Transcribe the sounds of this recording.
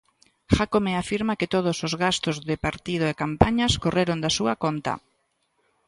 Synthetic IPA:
xakomeafiɾmakɪt̪oð̞ʊsozɣast̪ozðɪpaɾt̪ið̞ʊekampaɲaskoreɾond̪asuakont̪ɐ̰

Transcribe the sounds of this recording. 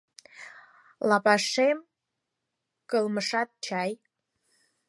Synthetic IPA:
lɑpɑʂem | kəlməʂɑt̪̚t͡ʃɑj

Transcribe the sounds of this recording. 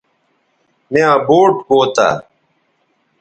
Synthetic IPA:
meãːboːʈkoːt̪a̰ː

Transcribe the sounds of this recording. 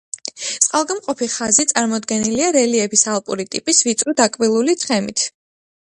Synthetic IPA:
sʼqʼalˠɡamqʼɔpʰiχazit̪sʼaɾmɔd̪ɡɛniliaɾɛliɛbisalˠpʼṵɾit̪ʼḭpʼisvit̪sʼɾud̪akʼvilˠulit̪sʰχɛmit̪ʰ

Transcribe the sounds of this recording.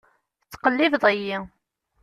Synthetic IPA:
t͡sːqəlːɪfðˤəji

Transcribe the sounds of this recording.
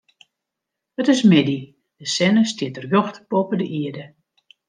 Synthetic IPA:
ətɪsmɪdi | d̥əsɛnəstjɪtərjoxtpopədəʔiədə

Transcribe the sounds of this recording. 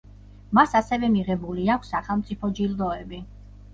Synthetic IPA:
masasɛvɛmiʁɛbuliakʷʰsːaχɛlˠmt̪sʼipʰɔd͡ʒild̪ɔɛbi

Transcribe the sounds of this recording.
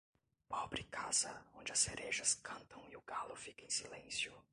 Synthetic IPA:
pɔbɾɪkaz̥ɐõnd͡ʒɪɐseɾʔeʒɐskɐ̃nt̪ɐ̃w̃iʊɡalʊfikɐẽsilẽsjʊ

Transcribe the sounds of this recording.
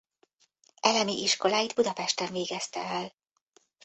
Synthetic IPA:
ɛlɛmiʔiʃko̞laːjid̪bud̪ɒpɛʃt̪ɛɱveːɡɛst̪ɛɛl

